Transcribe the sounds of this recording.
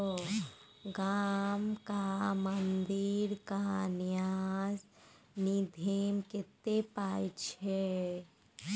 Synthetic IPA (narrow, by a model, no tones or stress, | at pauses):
o | ɡamkamənd̪iɾkanjaz | nid̪ʱemkɪt̪ːepaːjt͡ʃʰɛ